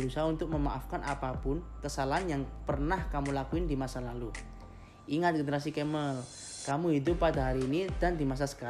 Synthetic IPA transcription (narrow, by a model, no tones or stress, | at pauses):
əɾusaɦaunt̪ʊk̚məma̰ʔafkanʔa̰papʊnkəsalaɦanjaŋpərnahkamulakuɪndimasalalu | ʔiŋat̪̚ɡənəɾas̬ikɛməl | kamuɦidʊpːadaɦaɾiːnidandimas̬asə̥ka